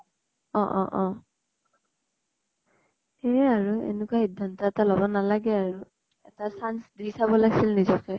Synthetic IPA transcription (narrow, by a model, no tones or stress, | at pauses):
ɔ̃ʔɔʔɔ̃ | eaɹuḛnukwahidʱːantɔɛtalɔbɔnalaɡɛaɹu | ɛtasansdisabɔlaɡisilnizɔkɛ